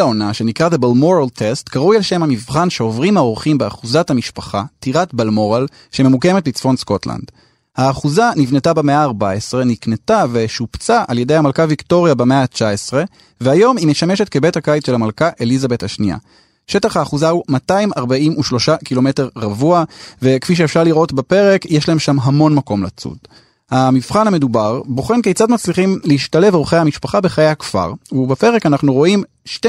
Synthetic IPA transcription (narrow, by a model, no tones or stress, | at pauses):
aonaʃe̞nikʁaðebalmoʁaltʰe̞stkaʁujalʃe̞mhamivχanʃeovʁimhao̞ʁχimbeaχuzathamiʃpaχatiʁatbalmo̞ʁal | ʃememukemet̚bit͡sfo̞nsko̞tla̰nd̥ | haːχuzanivne̞tabemeaːʁbaesʁe̞niknetave̞ʃupt͡saʔalje̞dejhamalkavikto̞ʁjabeme̞at͡ʃaesʁe̞ | vehajo̞mimeʃame̞ʃe̞t̚ke̞be̞thakajt͡sʃelamalkaʔe̞lizabe̞thaʃnija̰ | ʃe̞taχhaːχuzaumataimaʁbaimʔuʃlo̞ʃakilo̞me̞teʁʁavuave̞kfiʃ̬eefʃaʁliʁʔo̞tbape̞ʁe̞kjeʃlae̞mʃamɦamo̞nmako̞mla̰t͡sṵd | hamifχaname̞dubaʁbo̞χe̞nkejt͡sad̪mat͡sliχimleiʃtale̞vo̞χejhamiʃpaχabe̞χajehakfa̰ʁubepe̞ʁe̞kanaχnuʁo̞ʔim | ʃte